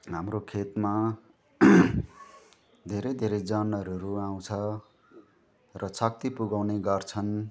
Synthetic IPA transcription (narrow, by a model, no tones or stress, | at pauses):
ɦamrokʰet̪ma | d̪ʱeɾʌjd̪ʱeɾʌjd͡zʌnʌɾuɾuaw̃t͡sʰʌ | rʌsʰʌk̚t̪ipuɡawneɡʌrt͡sʰʌn